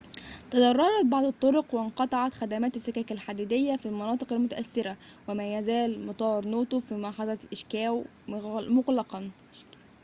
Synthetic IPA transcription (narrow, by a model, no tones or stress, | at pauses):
t̪ɑd̪ˤɑrˤːɑɾˤɑt̪̚bɑʕd̪ˤɑt̪ˤːoɾoqwenqɑt̪ˤɑʕɑt̪xæd̪æmæːt̪æsːɪkæːkælħad̪iːd̪ejːæfilmɑnɑːt̪ˤɨqælmʊt̪æʔæθːɪɾæ | wemæːjæzæːlmɑt̪ˤɑːɾˤnoːt̪ofimɑʕħɑzˤɑt̪ʔɪʃkæːw | moɣlɑqɑn